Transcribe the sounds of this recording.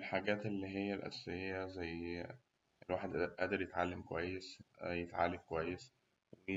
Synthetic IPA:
elħaɡæːt̪elːiːɦejːælʔæ̰sejːæzæjː | elwaːħed̪ʔæːʔd̪eɾjet̪ʕa̰lːemkowæjːesjet̪ʕa̰lːemkowæjːes | we

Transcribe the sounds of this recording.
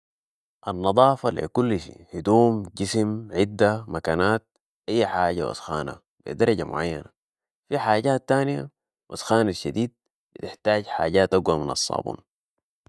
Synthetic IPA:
ʔɑnːɑd̪ˤɑːfɑlḭkulːʃḭhid̪uːmɟismʕid̪ːamakaːnaːt̪̚ | ʔajːħaːɟa̰wɑ̰sxa̰ːna̰ | b̥ḭd̪ɑɾˤɑɟamʊ̰ʕajːa̰na | fiħaːɟaːt̪ːaːnija̰ | wʔɑsxaːnaʃːad̪iːd̪̚ | bit̪ɪħt̪aːɟħa̰ːɟaːt̪ʔaɡwaminɑ̰sˤːɑ̰ːbṵːn

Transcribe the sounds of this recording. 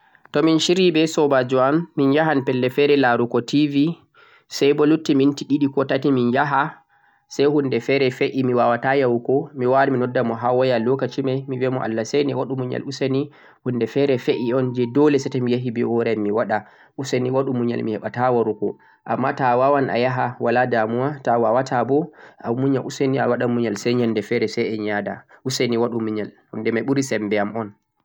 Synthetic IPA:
tɔminʃiɾibɛsɔbad͡ʒuamːinjaɦanpɛlːɛfɛɾɛlaɾukɔtʰivi | sɛjbɔlutːimintiɗiɗikɔtatiminjaɦa | sɛjhundɛfɛɾɛfeʔimiwawatajawkɔmiwaɾiminɔdːamɔɦawɔjalɔkat͡ʃimajmivɛmɔʔa̰lːasɛjnɛwaɗumuɲa̰lusani | hundɛfɛɾɛfeʔiɔnd͡ʒɛdɔlɛsɛtamijaɦibiɔɾɛmːiwaɗa | ʔuseniwaɗumuɲa̰lmihɛɓatawaɾukɔ | ʔamːatawawanʔa̰jaɦawaladamuwatawawatʰabɔa̰muɲaʔuseniawaɗamuɲalsɛɲandɛfɛɾɛsɛɛɲaːda̰ʔuseniwaɗumuɲal | hundɛmaɓuɾisɛmbɛamɔn

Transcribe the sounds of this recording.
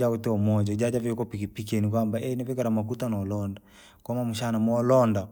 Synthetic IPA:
autɛɔmɔd͡ʒaid͡ʒad͡ʒaviɔkɔpikipik̬iɛnik̬wambaʔɛnavɛkaɾamakutanɔlɔnda | kwamamuʃanamɔlɔnda

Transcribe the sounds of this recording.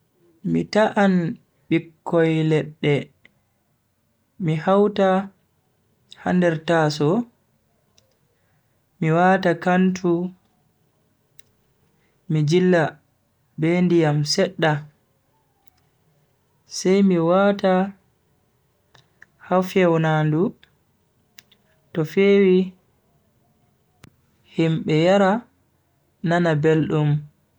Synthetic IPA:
mitaʔan | ɓikːɔjlɛɗːɛ | mihawta | ha̰ndɛɾtasɔ | miwaːtakantʰu | mid͡ʒilːa | bendijamsɛɗːa | sɛjmiwata | hafɛwnaːndu | tɔfeːwi | himɓɛjaɾa | nanabelɗum

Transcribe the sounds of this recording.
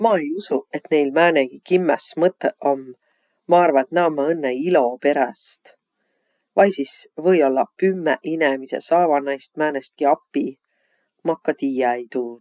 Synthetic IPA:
mɑːe̞jusue̞t̪ne̞jlmæːneɡ̥ikimːesmɤt̪ːˑeʔo̞mː | ɑɑrvɑet̪næomːɑɤnːeilo̞pe̞ɾest̪ | vɑjsisvɤ̞jo̞lːɑpymːeʔinemise̞̰sɑːvɑnɑjst̪̚mæːnest̪̚kiɑpːi | mɑkːɑt̪iːjɑejt̪uː

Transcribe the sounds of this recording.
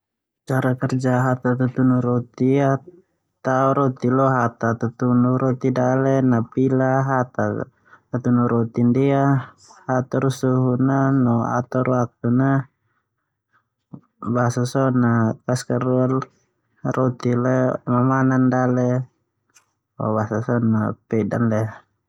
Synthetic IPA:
t͡ʃaɾakɛrd͡ʒaɦat̪at̪ut̪unuɾɔt̪ia | t̪auɾɔt̪ilɔɦat̪at̪ut̪unuɾɔt̪idalɛnapilaɦat̪a | t̪at̪unuɾɔt̪india | hat̪aɾusuɦunanɔa̰t̪ɔɾwak̚t̪una | basasɔnakaskaɾual | rɔt̪ilemamanandalɛ | ɔ̰basasɔnapɛda̰nlɛ

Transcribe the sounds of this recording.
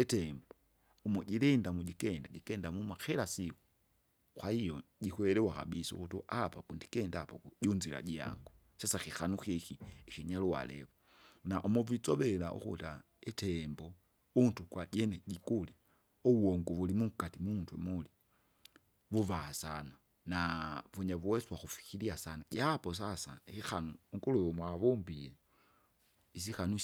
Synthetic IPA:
ɛtɛmbɔ | umuɟilɛndamuɟikɛndaɟikɛndamumaxɛlasiku | xwaijɔɟikwɛɾɛwaka̰bisṵkutuʔapakundikɛndapaɔkuɟunzila̰ɟia̰ŋɡu | sasaxixanuxixiixiɲaluwa̰lɛ̰βɔ | naʔumuvit͡sɔβɛla̰ʔṵkṵta | itʰɛmbɔ | untukwaɟɛnɛɟikula | ɔwɔŋɡuβulimukatimuntwɛmuli | vuvaasana | navuɲaβuwɛswaxufi̥xiliasanaɟapɔs̬asaxixanuːŋɡulujɔmwaβumbiɛ | is̬ixanu

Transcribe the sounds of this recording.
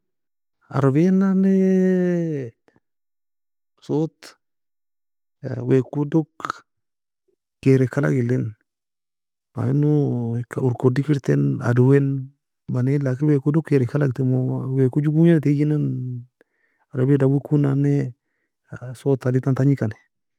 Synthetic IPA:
a̰ɾbenane | sot̪ | wekudok | eɾɛkala̰kɪlɪn | ma̰inukauɾkodikiɾtɛna̰duwen | banelakɪwekudokːeɾɛkalak̚timowekud͡ʒuɡuɲanted͡ʒinan | aɾbedawekunane | sotadɪtantaɲikani

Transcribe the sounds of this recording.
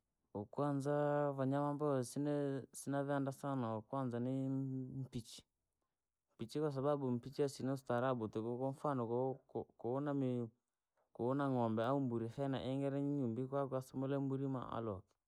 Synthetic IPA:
okwanzavaɲamambɔsɪnɛsɪnavɛandasanaokwanzanɪm̩pit͡ʃi̥ | mpit͡ʃikas̬ababum̩pit͡ʃiasinɔstaɾabutɛkɔkɔɱfanɔkkɔnamɪ | kounaŋɔmbɛaumbuɾifɛna̰ʔɛŋɡɛɾɛɲiɲumbikwakasʊmulɛmbuɾima̰a̰lɔk

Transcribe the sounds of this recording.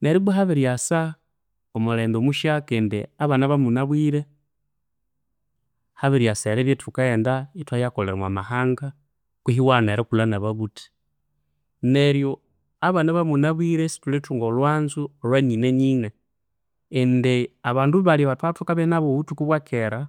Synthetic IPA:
neɾiβuɦaβiɾjasa | omuleːndomuʃakendeaβanaβamunaβwiːɾe | haβiɾjaseɾeβjetʰukaeːndaitwajakoleɾamwa̰mahaːŋɡa | kwiɦiwaneɾekulanaβaβuti̥ | neɾjo | aβanaβamunaβwiɾesi̥tuletuŋɡolwaːnzuolwenineɲiːŋeː | ndeaβaːnduβaliβatatukaβenaβoβutukuβwakʰeɾa

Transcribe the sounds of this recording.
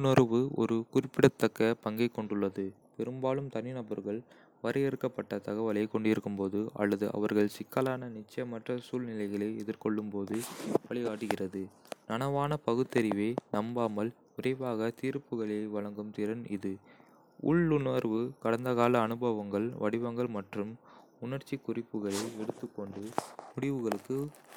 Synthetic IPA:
nɐɾʋɯɔ̰ɾɯkʊɾɪpːɪɽɐt̪ːɐkːɐpɐŋɡɐɪkːɔɳɖɯɭːɐðɯpɛɾɯmbaːlɯmt̪ɐnɪnɐbɐɾɣɐɭ | ʋɐɾʔɐɛɾɯkːɐpːɐʈːɐt̪ɐɣɐʋɐlɐɪkːɔɳɖɪɾɯkːɯmpoːðɯʔɐ̰lːɐðɯʔɐ̰ʋɐɾɣɐɭsɪkːɐlaːnɐnɪt͡ʃːɐjɐmːɐʈrɐsuːlnɪlɐɪɣɐɭɐɪɛðɪɾkɔɭːɯmpoːðɯʋɐɭɪɣaːʈːɯɣɪrɐðɯnɐnɐʋaːnɐpɐɣɯt̪ːɐɾɪʋeːnɐmbaːmɐl | ʊrɐɪʋaːɣɐt̪iːɾpːɯɣɐɭeɪʋɐɭɐŋɡɯmt̪ɪɾɐnɪ̰ðɯ | ʊ̰ɭːʊnɐɾʋɯkɐɽɐnd̪ɐɣaːlɐːnɯbɐʋɐŋɡɐɭʋɐɽɪʋɐŋɡɐɭmɐʈrɯm | ʊnɐɾt͡ʃːikːʊrɪpːɯɣɐɭɐɪɛɽɯt̪ːɯkːɔɳɖɯmʊɽɪʋɯɣɐɭɯkːɯ

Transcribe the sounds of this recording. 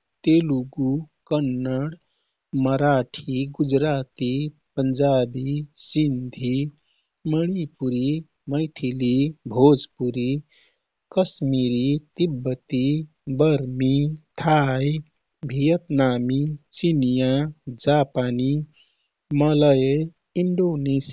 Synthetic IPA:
t̪eluɡukənːəɽ | məɾaʈʰiɡud͡ʒɾat̪ipənd͡ʒabisind̪ʱi | məɽ̃ipuɾi | məjt̪ʰilibʱod͡zpuɾi | kəsmiɾit̪ibːət̪i | bəɾmit̪ʰaj | bʱijət̪naːmit͡ʃinijad͡ʒapani | mələje | iɳɖones

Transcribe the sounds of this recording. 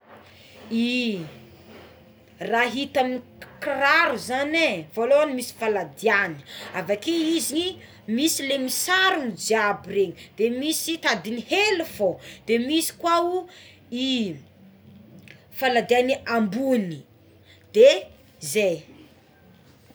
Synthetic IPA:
i | raɦit̪aminikraɾuzanevoloanimisi̥falad̪iani̥avakeizii | misilemisaɾunid͡ʒiabireɲid̪̥emisit̪ad̪inihelufod̪̥emisi̥kwau | i | falad̪ianiambuni | d̪̥e | zej

